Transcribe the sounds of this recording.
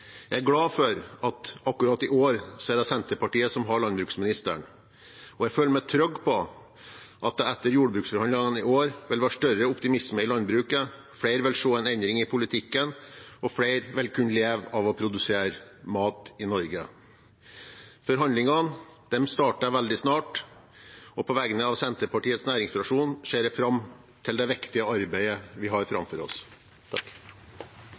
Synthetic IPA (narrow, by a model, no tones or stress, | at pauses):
jæɪæɾɡlɑːfɔɾɑt̪ɑkːʉɾɑːt̪ɪʔoːɾsɛːɖ̪ɛsɛnt̪əɾpɑʈiːəsɔmɦɑɭɑnbɾʉːksmɪnɪst̪ə̰ɳ | ɔjæføːləmæɪt̪ʰɾœɡːpʰɔ | ʔɑt̪̚d̪ɛɛt̪ːəɾjuːɖəbɾʉːksfɔɾhɑnd̪lɪŋɑnɪoːɾʋɛlʋɑʂʈœɾəʊpt̪ɪmɪsməɪlɑnd̪bɾʉːkə | fɽeɪɾʋɛlʂoːɛɪnɛnd̪ɾɪŋɪpʰʊlɪt̪ʰɪkːənɔfɽeɪɾʋɛlkʰʉnlɪeːʋɑʋɔpʰɾʊd̪ʉseːɾmɑːt̪ɪnɔɾɡə | fɔɾɦɑnd̪lɪŋɑnd̪̥ɛmst̪ɑːʈɑʋɛld̪ɪsnɑːʈ | ɔpʰɔʋɛɡənəɑʋsɛnt̪əɾpɑʈiːət̪snæːɾɪŋsfɾɑʂuːnʂeːɾɛfɾɑm | t̪ʰɪld̪ɛʋɛkt̪ɪəɑɾbæɪəʋɪɦɑɾfɾɑ̰mfɔɾɔ̰s | t̪ʰɑk